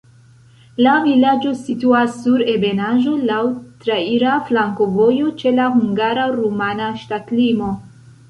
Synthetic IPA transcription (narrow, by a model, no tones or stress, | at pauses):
lavilad͡ʒo̞situasːuɾe̞be̞naʒo̞lawtɾaiɾaflaŋko̞vo̞jo̞t͡ʃe̞lahuŋɡaɾaɾumanaʃtatlimo̞